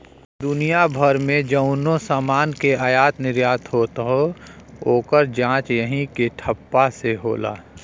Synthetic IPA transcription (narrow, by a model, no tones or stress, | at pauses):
d̪ʊnijabʱəɾmẽd͡ʒəʊnõsaːmaːnkeaːjaːt̪nɪɾjaːt̪ɦoːt̪ɦo | oːkəɾd͡ʒãːt͡ʃjəɦĩkeʈʰəpːaseɦo̰ːla̰ː